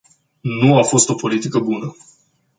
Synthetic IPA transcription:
nuafo̞st̪o̞po̞lit̪ikəbunə

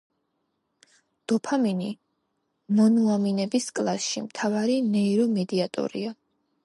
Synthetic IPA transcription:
d̪̥ɔpʰaminḭ | mɔnuaminɛbiskʼlˠasʃḭmt̪ʰavaɾinɛiɾɔmɛd̪iat̪ʼɔ̰ɾḭa

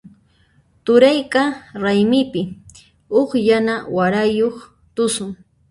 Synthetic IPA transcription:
t̪ʊɾajkaɾajmɪpɪ | oχjanawaɾajoχ | t̪ʊsʊŋ

